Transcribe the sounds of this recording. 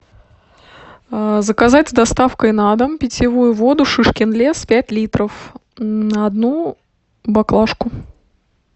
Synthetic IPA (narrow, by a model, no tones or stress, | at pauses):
əzəkɐzatʲd̪ɐst̪afkəjnad̪əmpʲɪtʲɪvujʊvo̞d̪ʊʂɨʂkʲɪnlʲespʲætʲlʲit̪ɾəf | nəɐd̪nu | bɐklˠaʂkʊ